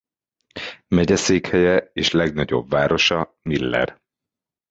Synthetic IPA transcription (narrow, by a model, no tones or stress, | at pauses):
mɛɟɛseːkhɛjɛeːʃlɛɡnɒɟo̞̰bvaːɾo̞ʃɒmilːɛ̰r